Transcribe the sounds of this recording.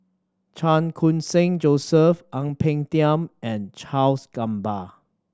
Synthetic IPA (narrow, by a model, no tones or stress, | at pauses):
t͡ʃãnkʰũnsɪ̃ŋd͡ʒosəfʔãŋpʰɛ̃ŋtiə̃mɛ̃nt͡ʃʰalsɡ̥ãmba